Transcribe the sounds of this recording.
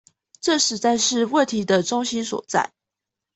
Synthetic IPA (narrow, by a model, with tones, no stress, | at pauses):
ʈ͡ʂɤ˥˨ʂɻ̩˨˥t͡sa˥˧ɪʂɻ̩˥˧wə˥˩nt̪ʰi˧˥d̪ə˨ʈ͡ʂʊ˥ŋɕi˥nswɔ̰˨˩t͡sa̰˥˩ɪ